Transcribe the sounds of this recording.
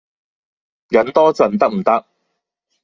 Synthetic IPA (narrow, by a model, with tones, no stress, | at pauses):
jɐ˨˥nt̪ɔː˥t͡sɐ˨nt̪ɐ˥k̚m̩˨˩t̪ɐ˥k̚